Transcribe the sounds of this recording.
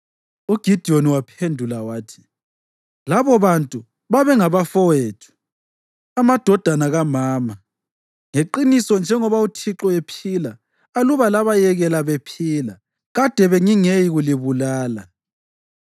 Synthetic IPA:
uɡ̥ʱid̥ʱioniwapʰendʱulawaːtʰi̥ | laβɔβantʼu | βaβɛŋaβafɔweːtʰu̥ | amad̥ʱɔd̥ʱanaɣamaːma | ŋeǃinisɔnd͡ʒʱɛŋɔβautʰiǁɔepʰila | aluβalaβajɛɣɛlaβepʰiːla | ɣad̥ʱɛβeŋiŋejiɣuliβulaːla̰

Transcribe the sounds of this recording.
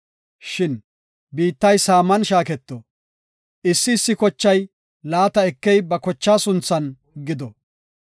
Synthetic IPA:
ʃɪn | biːt̪ːɐjsaːmːɐnʃaːkɛt̪ːɔ | ʔɪsːɪːsːɪkɔt͡ʃːɐj | laːt̪ɐɛkːɛjbɐkɔt͡ʃːaːsʊnt͡sːɐn | ɡɪd̪ɔ

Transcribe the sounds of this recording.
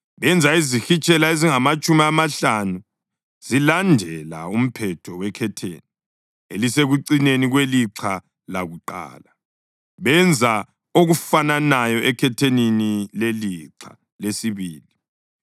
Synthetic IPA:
βɛnd͡zʱaizixit͡ʃʼɛlaeziŋamat͡ʃʼumiamaɬanu | z̥ilandʱɛla̰um̩pʰɛtʰɔwɛkʰɛtʰḛːni | eliseɣuǀineniɣweliǁʰa | la̰ɣuǃa̰ːla | βɛnd͡zʱa | oɣufananajɔʔɛkʰɛtʰeninileliǀʰa̰ | lesiβiːli

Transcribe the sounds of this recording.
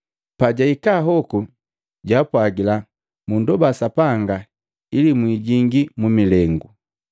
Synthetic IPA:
paɟaikaɦɔku | ɟaːpwaɡila | mundɔbasapaŋɡa | ilimwiːɟiŋɡimumilɛŋɡu

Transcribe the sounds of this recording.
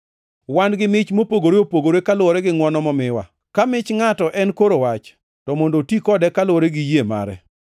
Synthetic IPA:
wanɡɪmɪt͡ʃmopoɡoɾeopoɡoɾekalwɔɾɛɡɪŋwɔnɔmɔmɪwa̰ | kamɪt͡ʃŋatɔʔɛnkoɾowat͡ʃ | tɔmondotikɔdɛkalwoɾeɡɪjema̰ɾɛ̰

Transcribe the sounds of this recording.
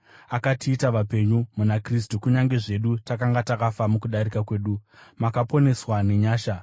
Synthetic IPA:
akatʰiːtaʋape̞ɲumunakristukuɲaŋɡe̞ʐe̞ɗutakaŋɡatakafamukuɗaɾikakwe̞ːɗumakapo̞ne̞swane̞ɲaːʃa

